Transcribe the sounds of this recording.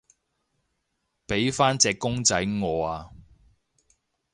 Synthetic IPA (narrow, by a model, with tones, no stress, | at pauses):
pe˨˥jfaː˥nt͡sɛː˧kːʊ˥ŋt͡sɐ˨˥jŋɔː˨˧aː˧